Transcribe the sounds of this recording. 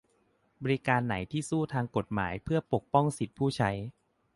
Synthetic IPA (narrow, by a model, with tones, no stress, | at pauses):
bɔ˧ɾi˦˥kaː˧nːa˩˦jt̪ʰiː˥˩suː˥˩t̪ʰaː˧ŋko˨˩t̪̚ma̰ː˩˦jpʰɯ˥˩ɐpo˨˩k̚pɔ˥˩ŋsi˨˩t̪̚pʰuː˥˩t͡ɕʰa˦˥j